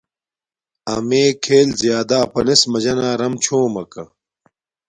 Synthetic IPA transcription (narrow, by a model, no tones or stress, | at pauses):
ɐmeːkʰeːlzjaːd̪aːpɐnesmɐd͡ʑɐnaːɾɐmt͡ɕʰõːmɐkɐ̰